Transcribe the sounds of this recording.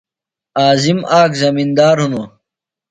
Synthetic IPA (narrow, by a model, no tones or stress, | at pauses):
aːzimaːkzɐmind̪aːɾɦunoː